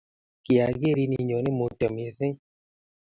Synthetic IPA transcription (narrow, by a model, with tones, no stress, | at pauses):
ki˨a˨ɡe˦ɾi˧ni˧˨ɲɔ˨˦ne˦mu˨tə˨m˨e˨˦se˦ɲ